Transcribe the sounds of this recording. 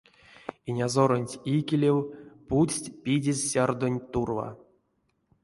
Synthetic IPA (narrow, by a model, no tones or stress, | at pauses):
inʲazoɾonʲtʲikʲelʲewpusʲtʲpʲidʲezʲsʲard̪onʲt̪urva̰